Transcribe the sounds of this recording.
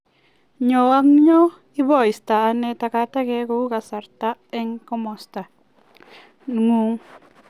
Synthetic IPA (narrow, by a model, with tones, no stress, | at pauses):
ɲo˨a˦ŋɲo˦ | i˦bɔ˨jst̪a˨a˧ne˧t̪a˧ka˧˦t̪a˦ɡe˧ɡo˧˦ɡa˨sa˨ɾt̪a˦e˦ŋko˦mo˨st̪a˨ | ŋu˦ŋ